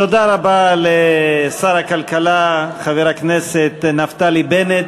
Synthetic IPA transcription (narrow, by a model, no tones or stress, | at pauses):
t̪o̞d̪aʁabalesaɾakalkalaχaveʁakneset̪naft̪alibenet̪